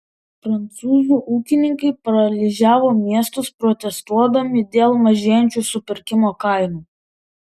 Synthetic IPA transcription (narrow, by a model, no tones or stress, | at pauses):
pɾɐnt̪suːzuːʔuːkʲɪnʲɪŋkɐɪpɐɾɐlʲiʒʲæːʋoːmʲiɛst̪ʊspɾɔt̪ʲɛst̪uɔd̪ɐmʲɪd̪ʲeːlˠmɐʒʲeːjɛnʲt͡ʃʲuːsʊpʲɪɾʲkʲɪmoːkɐɪnuː